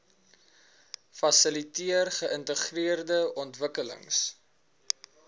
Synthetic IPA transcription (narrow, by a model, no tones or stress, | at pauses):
fɐsəlitiərχəəntəχriərdəɔntvəkələ̰ŋs